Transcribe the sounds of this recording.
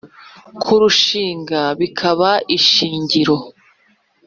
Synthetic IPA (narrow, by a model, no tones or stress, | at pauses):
kʰuɾuʃiːŋɡaβikʰaβaiʃiːɲɟiɾo̞